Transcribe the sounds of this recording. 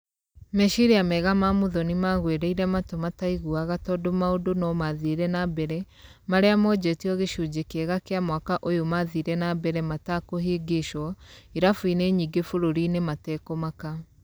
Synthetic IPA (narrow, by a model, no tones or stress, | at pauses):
mɛʃiɾiamɛɣamamoðɔnimaɣweɾɛiɾɛmatomataiɣuaɣatɔdomaodonɔmaðiɾɛnabɛɾɛ | maɾeamɔd͡ʑɛtiɔɣeʃud͡ʒekɛɣakeamwakaʔojomaðiɾɛnabɛɾɛmatakoɦeɡeʃɔiɾafwineɲiɡefoɾoɾinematɛkomaka